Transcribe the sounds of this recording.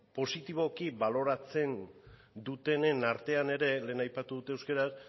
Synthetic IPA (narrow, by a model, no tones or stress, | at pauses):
po̞sit̪iβ̞o̞kiβalo̞ɾat͡se̞n | d̪ut̪e̞ne̞naɾt̪e̞ane̞ɾe̞le̞ːnajpat̪uðut̪e̞ewskeɾas